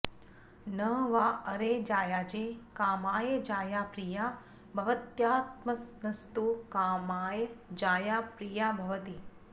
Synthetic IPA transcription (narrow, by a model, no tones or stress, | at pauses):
nɐʋaːɐɾeːd͡ʒaːjaːd͡ʒeːkaːmaːjed͡ʒaːjaːpɾijaː | bʱɐʋɐt̪jaːt̪mɐnɐst̪ukaːmaːjɐd͡ʒaːjaːpɾijaːbʱɐʋɐt̪i